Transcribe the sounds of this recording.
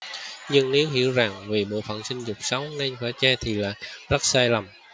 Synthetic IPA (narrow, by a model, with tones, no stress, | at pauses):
ɲɨ˧ŋne˨˦wɦḭ˧˨əwza˨˩ŋvi˨˩ɓo̰˧˨fə̰˧˨nsï˧ŋ̟zʊ˨˩k͡p̚sə˨˦wne˧nxwaː˧˩t͡ɕaː˧t̪ʰi˨˩la̰ː˧˩la˦˥t̚saː˧jlə˨˩m